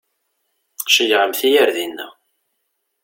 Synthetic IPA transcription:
qʃəjʁəmθijæɾðinːə̰

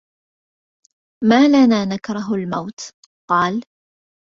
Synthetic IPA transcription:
maːlanaːnakɾˤɑɦʊlmawt̪ | qɑːl

